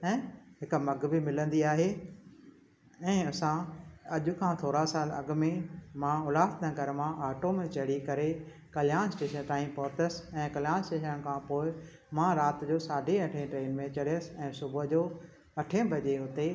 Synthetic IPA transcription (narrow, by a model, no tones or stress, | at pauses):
ɛ̃ːɦɪkmɐɡbʱɪmɪlə̃nd̪iaːɦe | ɛ̃ːɐsãɐʄʊ̆kʰãt̪ʰoːɾasaːlɐ̰ɡmẽmãʊlaːfd̪ãɡɐɾmãʔaːʈomẽt͡ɕɐɽikɐɾe | kɐljãːnsʈeːʃənt̪aːĩpɔt̪əsɛ̃ːkɐljaːnsʈeːʃənkʰãpoːɪ | mãɾaːt̪d͡ʑoːsaːɖʱeɐʈʰẽʈɾeːnmẽt͡ɕɐɽɪjəsɪ̆ɛ̃ːsʊbd͡ʑoː | ɐʈʰẽbʱɐʄeɦʊt̪e